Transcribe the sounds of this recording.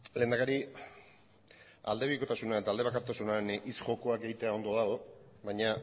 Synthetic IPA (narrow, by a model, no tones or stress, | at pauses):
le̞ːnd̪akaɾi | a̰ld̪e̞βiko̞t̪asunae̞t̪ald̪eakaɾt̪asunanisʝo̞ko̞akejt̪e̞ao̞nd̪o̞ðaoβajɲa